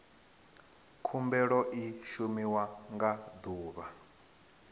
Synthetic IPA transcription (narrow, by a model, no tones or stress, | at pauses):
kʰumbɛɺɔʔiʃumiwaŋɡad̪uːβa